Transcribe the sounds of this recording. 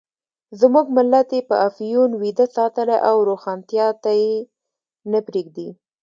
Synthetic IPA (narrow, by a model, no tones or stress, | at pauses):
zmuɡmɪlːat̪epəʔafjunwid̪asɑt̪əlaʔawɾoxɑnt̪jɑt̪aje | nəpɾeɡ̚d̪i